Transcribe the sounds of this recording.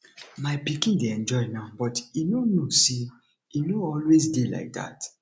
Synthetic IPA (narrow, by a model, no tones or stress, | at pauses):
maɪpikĩndeɛ̃nd͡ʒɔɪnãʊbɔtinonose | inoɔlwesdela̰ɪk̚da̰t